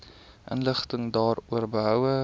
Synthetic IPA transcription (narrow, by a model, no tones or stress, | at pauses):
ʔə̰nləχtəŋdɑːruərbəɦœwə